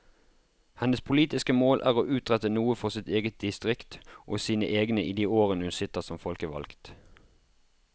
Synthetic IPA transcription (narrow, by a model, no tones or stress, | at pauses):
hɛnəspʰʊliːt̪ɪskəmoːlʔæːʁoːʔʉːt̪ʁɛt̪ənuːəfɔʁsɪt̪eːɡət̪̚d̪ɪst̪ʁɪkt̪ʔoːsiːnə̰ʔeːɡnəʔiːd̪iːoːʁənəhʉnsɪt̪əʁsɔmfɔlkəʋɑ̰lkt̪